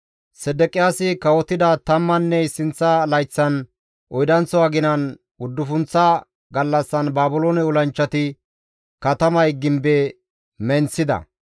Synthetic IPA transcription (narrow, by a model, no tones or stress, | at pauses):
sɛd̪ɛkʼɪjaːsɪkɐwɔt̪ːɪd̪ɐt̪ɐmːɐnːɛɪsɪnt͡sːɐlɐjt͡sːɐn | ʔɔjd̪ɐnt͡sːɔwaːɡɪnɐn | ʊd̪ːʊfʊnt͡sːɐ | ɡɐlːɐsːɐnbaːbʊloːnɛʊlɐnt͡ʃːɐt̪ɪ | kɐt̪ɐmɐjɡɪmbɛ | mɛnsɪd̪ɐ̰